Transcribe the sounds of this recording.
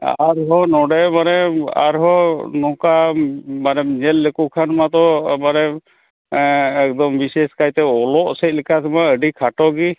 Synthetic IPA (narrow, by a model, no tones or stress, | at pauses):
a̰ɾɦɔnɔɖɛmanɛa̰ɾɦɔnɔkamanɛɲɛlːekukʰanmat̪ɔmanɛ | ɛkd̪ɔmbiseskajt̪ɛɔlɔʔsɛc̪̚ˀlikʰat̪ʰɛmaəɖikʰaʈɔɡi